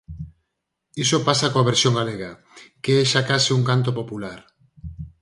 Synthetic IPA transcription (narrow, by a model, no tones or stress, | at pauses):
isopasakoaβ̞eɾsjoŋɡaleɣa | keɛʃakasiuŋkant̪̬opopulaɾ